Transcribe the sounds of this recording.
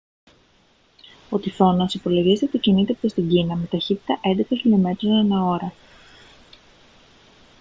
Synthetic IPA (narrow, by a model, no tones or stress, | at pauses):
ot̪iθo̞nɐsipo̞loʝist̪et̪ocinit̪ept̪est̪iɟinɐme̞t̪ɐçit̪i̥t̪ɐʔe̞nd̪ektoscilome̞t̪ɾesnenɐo̞ɾɐ